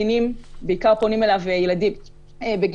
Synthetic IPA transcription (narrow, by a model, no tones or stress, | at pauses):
inimbeikaʁpo̞nime̞lavejeladim | ebeɡ